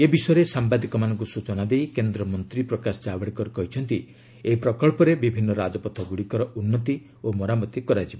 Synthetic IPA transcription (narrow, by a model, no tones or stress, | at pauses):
ebisɔjɾesambad̪ikɔmanɔŋk̬usut͡ʃɔnad̪ejkend̪ɾɔmɔnt̪ɾipɾɔkasɔ̥d͡ʒabɔɽikɔɾkɔɦit͡ʃʰɔnt̪i | eɦipɾɔkɔɭpɔɾebibʱinːɔɾad͡ʒɔpɔt̪ʰɔɡuɽikɔɾɔʔunːɔt̪i | omɔɾamɔt̪ikɔɾad͡ʒibɔ